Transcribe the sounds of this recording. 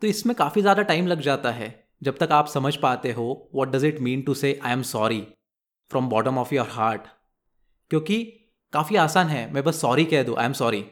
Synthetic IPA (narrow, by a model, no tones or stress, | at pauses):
t̪oːɪsmẽkaːfizjaːd̪aʈaːɪmlɐɡd͡ʒaːt̪aɦɛː | d͡ʒɐb̚t̪ɐkaːpsɐməd͡ʒʱpaːt̪eɦoʋɔːʈ̚ɖɐzɪʈmĩːnʈuseːʔãːɪə̃msɔːɾi | fɾɔ̃mbɔːʈə̃mɔːfjɔːɾɦaːɾʈ | kjõːki | kaːfiaːsaːnɦɛmɛ̃bɐsːɔːɾikɛɦd̪ũʔa̰ːɪ̃msɔːɾi